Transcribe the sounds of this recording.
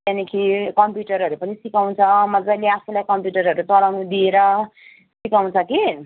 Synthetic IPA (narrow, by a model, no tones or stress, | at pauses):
tanikʰikʌmpjuʈʌɾɦʌɾupʌnisikaw̃t͡sʰʌmʌd͡zajleapʰulajkʌmpjuʈʌrɦʌɾut͡sʌlawnud̪ieɾʌ | sikaw̃t͡sʰʌki